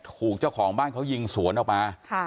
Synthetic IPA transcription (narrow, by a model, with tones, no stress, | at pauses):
t̪ʰuː˨˩k̚t͡ɕa˥˩wkʰɔː˩˦ŋbaː˥˩nkʰa˦˥wji˧ŋsu˩˦ənʔɔː˨˩k̚maː˧kʰ